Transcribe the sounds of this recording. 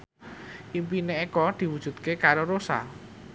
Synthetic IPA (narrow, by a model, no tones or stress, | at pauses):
ʔimpineekɔd̪̥i̤wud̥ʒ̥ṳt̪̚kekaɾoɾosa̰